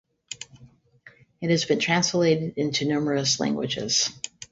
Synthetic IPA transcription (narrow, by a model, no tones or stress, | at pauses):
ɨt̚hɨzbɨ̃ntʰɹ̥æ̃nsleɪɾɨɾɪ̃ntʉnʉmə˞ɨslæ̰̃ŋɡwɨd͡ʒɪ̰z̥